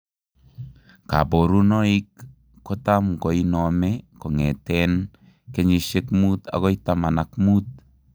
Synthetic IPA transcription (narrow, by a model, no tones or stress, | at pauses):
ka̰boɾunoikː | otamkoinomekoŋḛten | keɲisekmuta̰ɣoitamanakmut̚